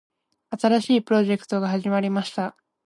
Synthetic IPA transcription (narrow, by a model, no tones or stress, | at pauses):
at̪aɾaɕiːpɯ̟ɾo̞ʑe̞kɯ̥t̪o̞ɡaɦaʑimaɾʲimaɕi̥t̪a